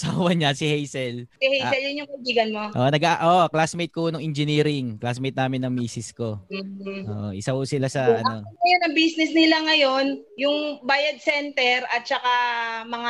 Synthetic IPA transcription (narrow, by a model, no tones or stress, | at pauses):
saːwɐɲɐsɪhejsɛlsɪhejsɛljʊnjʊŋkɐʔibiːɡɐnmo̞ʔoʔnɐɡaʔʔoːʔklasmejt̪̚konoŋɛnd͡ʒɪniːɾɪŋklasmejt̪̚naːmɪnːɐŋmiːsɪsko̞m̩ːʔo̰ːʔo̰ʔɪsɐhʊsɪlasɐʔɐno̞ɐjonɐŋbisnɛsnɪlaŋɐjo̞njʊŋbaːjɐd̪̚sɛnt̪ɛɾɐt̪̚t͡ʃɐkamɐŋa